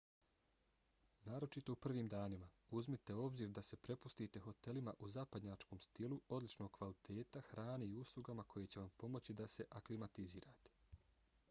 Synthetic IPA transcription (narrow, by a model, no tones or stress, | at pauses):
naːɾo̞t͡ʃit̪o̞upr̩ʋiːmd̪aːnimauzmit̪e̞o̞bziːɾd̪ase̞pɾe̞pust̪iːt̪e̞xo̞t̪e̞limaʔuzapad̪ɲaːt͡ʃko̞ːmst̪iluo̞d̪lit͡ʃno̞ːɡ̚kʋalit̪ʰe̞ːt̪axɾaːneiuslˠuɡamakʰo̞je̞t͡ɕe̞ʋampo̞mo̞t͡ɕid̪ase̞ʔaklimat̪iziːɾaːt̪e̥